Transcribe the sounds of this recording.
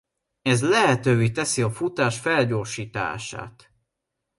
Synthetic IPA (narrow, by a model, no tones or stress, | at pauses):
ɛzlɛɦɛt̪øːveːt̪ɛsiɒfut̪aːʃfɛlɟoːʃiːt̪a̰ːʃa̰ːt̪